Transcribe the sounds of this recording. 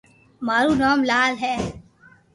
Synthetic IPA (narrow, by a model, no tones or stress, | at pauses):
maːɾuːnaːmlaːlɦɛː